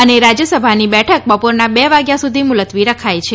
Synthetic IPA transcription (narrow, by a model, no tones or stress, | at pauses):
əneɾad͡ʒjəsəbʱanibɛʈʰək̚bəpoɾnabɛʋaɡjasud̪ʱimʊlət̪ʋiɾəkʰajt͡ʃʰe